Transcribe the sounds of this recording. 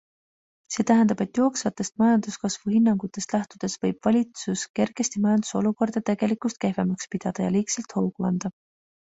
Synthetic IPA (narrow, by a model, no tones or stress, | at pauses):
se̞ːt̪æɦend̪ɑb̥e̞t̪ːˑjo̞ːksvɑt̪ːˑe̞st̪̚mɑjɑnd̪̥uskɑsv̥uhinːɑŋɡ̥ut̪ːˑe̞st̪læht̪ud̪̥e̞svɤjb̥vɑlʲit̪suske̞rɡ̥e̞st̪imɑjɑnd̪̥u̥so̞̰luko̞rd̪̥ɑt̪e̞ɡ̥e̞likˑust̪̚ke̞hvemɑkspid̪̥ɑd̪̥ɑjɑ̰liːkselt̪ho̞wɡ̥uɑnd̪̥ɑ